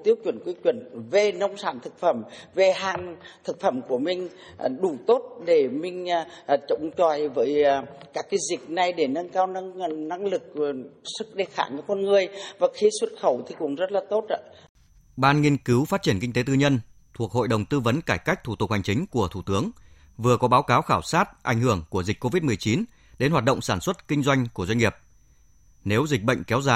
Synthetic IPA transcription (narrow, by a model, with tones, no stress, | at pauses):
t̪i˨˦əw̚t͡ɕwə˧˩nkwi˧˦t͡ɕwi˧˩nve˨˩nə˧wŋ͡msaː˧˩nt̪ʰɨ˨˩k̚fə˧˩mve˨˩ɦaː˨˩ŋt̪ʰɨ˨˩k̚fə˧˩mku˧˩əmï˨˩ŋ̟ | ɗu˧˩t̪o˦˥t̚ɗe˧˩mï˨˩ŋ̟˧˨t͡ɕə̰˧˨wŋ͡mt͡ɕɔ˨˩jvəː˨˦jkaː˦˥kːaː˨˦jzï˨˩k̚na˨˩jɗe˧˩nə˧nkaː˧wnə˧ŋna˧ŋlɨ˨˩k̚sɨ˦˥k̚ɗe˧˩xa̰ː˧˩ɲɔ˧˩kɔ˧nŋɨ˨˩əjvaː˨˩xi˨˦swə˦˥t̚xə˧˩wt̪ʰi˨˩kʊ̰˧˥ŋ͡mzə˦˥t̚laː˨˩t̪o˦˥t̚a̰˧ | ɓaː˧nŋi˧ənkɨ˨˦wfaː˦˥t̚t͡ɕi˧˩ənkï˧t̪e˨˦t̪ɨ˧ɲə˧nt̪ʰu˨˩ək̚ho̰˧˨jɗə˨˩wŋ͡mt̪ɨ˧və˨˦nkaː˧˩jka˦˥jk̟̚t̪ʰu˧˩t̪ʊ˨˩k̚ha˨˩jŋ̟t͡ɕï˨˦ŋ̟ku˧˩ət̪ʰu˧˩t̪ɨ˨˦əŋ | vɨ˨˩əkɔ˨˦ɓaː˨˦wkaː˨˦wxaː˧˩wsaː˦˥t̚ʔa̰˧˩jŋ̟hɨ˧˩əŋku˧˩əzi̟˨˩ko˧vi˦˥t̚mɨ˨˩əjt͡ɕi˨˦n | ɗe˨˦nha˨˩ɗə̰˧˨ŋ͡msaː˧˩nswə˦˥t̚kï˧ŋ̟zwa˧jŋ̟ku˧˩əzwa˧ŋ̟ŋi˨˩əp̚ | ne˨˦wzï˨˩k̚ɓə̰˧˨jŋ̟kɛ˨˦wzaː˧˩